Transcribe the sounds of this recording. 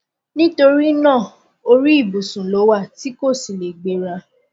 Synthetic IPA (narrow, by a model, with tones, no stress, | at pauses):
nĩ˦to˧ɾi˦nã˦˨ | o˧ɾi˦i˦˨bu˨sũ˨lo˨˦wa˦˨ti˦ko˦˨si˨le˨ɡ͡be˨ɾa˧